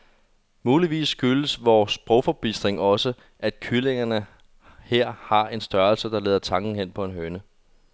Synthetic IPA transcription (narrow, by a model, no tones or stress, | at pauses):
muːliʋḭːsːɡ̥yləsʋɒːsb̥ʁɔʊfɒb̥isd̥ʁeŋɒ̽sə | ʔæd̥kʰyleŋɐnə | he̝ɐ̰hɑ̈e̝nsd̥ɶɐlsəd̥ɑ̈leːð̞ˠɐt͡sʰɑ̈ŋɡ̥n̩hen̰pʰɒ̽e̝nɦønə